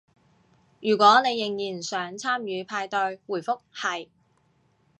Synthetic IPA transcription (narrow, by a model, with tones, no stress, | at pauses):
jyː˨˩kʷɔː˨˥ne˨˧jːɪ˨˩ŋjiː˨˩nsœː˨˥ŋt͡sʰaː˥mjyː˨˧pʰaː˧jt̪ɵ˧ɥwuː˨˩jfʊ˥k̚hɐ˨j